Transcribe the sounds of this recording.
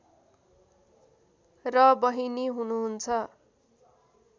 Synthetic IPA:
rʌbʌɦiniɦunuɦunt͡sʰʌ

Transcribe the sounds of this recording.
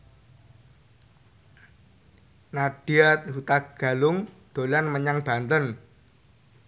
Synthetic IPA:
nad̥iat̪ɦut̪aɡ̥a̤lʊŋd̪̥o̤lanməɲaŋb̥a̤nt̪ən

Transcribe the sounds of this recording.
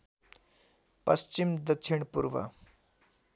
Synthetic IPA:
pɐst͡ɕimd̪ək̚t͡ʃʰiɳpuɾʋə̰

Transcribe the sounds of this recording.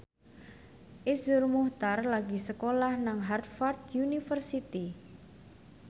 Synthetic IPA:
ʔisʊrmuht̪arlaɡi̤səkolahnaŋɦart̪̚fard̪junifərsit̪i

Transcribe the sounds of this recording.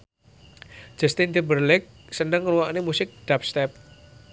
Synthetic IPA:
d͡ʒ̥ɛst̪ɪnd̪ibərlɪk̚sənəŋːluwaʔnemusɪk̚d̥ap̚st̪ɛp̚

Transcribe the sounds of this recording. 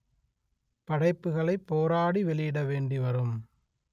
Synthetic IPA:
pɐɽɐɪpːɯɣɐɭɐɪpːoːɾaːɽiʋɛɭɪjɪɽɐʋeːɳɖiʋɐɾɯm

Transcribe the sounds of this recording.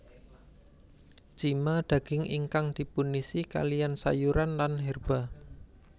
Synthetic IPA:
t͡ʃimad̪̥ä̤ɡ̥ɪŋḭŋkaŋd̪̥i̤punisika̰lijansa̰juɾanlanɦɛrb̥a

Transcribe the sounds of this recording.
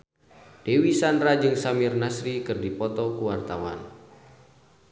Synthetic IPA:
d̥ewisanɾad͡ʒɨŋsamɪrnasɾikɨrdipɔt̪ɔkuwart̪awa̰n

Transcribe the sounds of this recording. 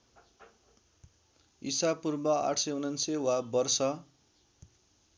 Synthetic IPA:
isapurbʌa̰ʈʰsʌjunʌnsewabʌrsʌ

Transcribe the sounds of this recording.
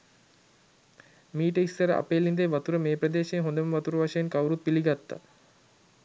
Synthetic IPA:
miːʈəisːəɾəʔa̰peːlind̪eʋat̪uɾəmeːpɾəd̪eːʃeːɦond̪əməʋat̪uɾəʋaʃejenkawɾut̪̚piliɡat̪ːa̰

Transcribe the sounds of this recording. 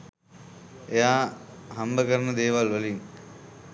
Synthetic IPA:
ejaːɦɐmbəkɐɾɐnɐd̪eːʋalʋəlim

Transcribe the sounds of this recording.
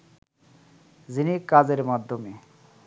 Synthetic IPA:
zinikad͡ʑeɾmad̪ʱːome

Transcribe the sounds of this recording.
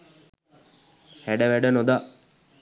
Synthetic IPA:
hæɖəʋæɖənod̪a

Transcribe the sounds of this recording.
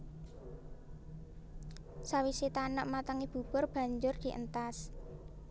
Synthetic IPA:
sawisit̪anəʔmat̪əŋib̥ṳb̥ʊ̤rb̥ä̤ɲd͡ʒʊrd̪̥i̤ʔə̰nt̪as

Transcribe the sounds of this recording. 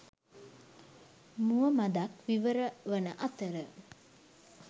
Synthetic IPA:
muəmad̪akʋiʋəɾəʋənəʔat̪əɾə

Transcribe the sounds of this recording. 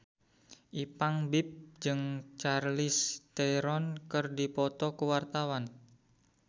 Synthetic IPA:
ʔipaŋbip̚d͡ʒɨŋt͡ʃarlɪst̪ɛɾɔnkɨrdipɔt̪ɔkuwart̪awan

